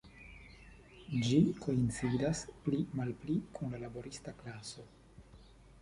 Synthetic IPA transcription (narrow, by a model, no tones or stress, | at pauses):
d͡ʒikʰo̞int͡sidasplimalplikʰunlalabo̞ɾistaklaso̞